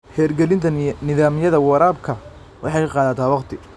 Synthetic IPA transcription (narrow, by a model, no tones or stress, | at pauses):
hɛːrɡɛlɪnt̪ʰɐnɪðaːmjɐðɐwɑɾaːb̚kʰɐ | wʔɑħɑjkʰqɑːðɐt̪ʰaːwɑqt̪ʰɪ